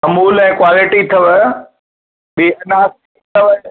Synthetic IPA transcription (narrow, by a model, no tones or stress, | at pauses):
ɐmuːlɛ̃ːkwaːlɪʈit̪ʰɐʋə | ɓiːɐnaːs | t̪ʰɐʋə